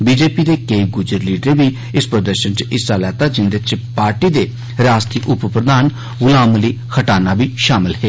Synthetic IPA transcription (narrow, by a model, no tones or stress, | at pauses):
biːd͡ʒeːpiːd̪eːkeiːɡʊd͡ʒəɾliːɖəɾẽːbiː | ɪspɾəd̪əɾʃənt͡ʃɪsaːlɛːt̪aːd͡ʒɪnd̪ɪt͡ʃpaːɾʈiːd̪eː | ɾaːst̪ʰiːʔʊppɾəd̪aːn | ɡʊlaːməliːkʰəʈaːnaːbiːʃaːmɪlɦeː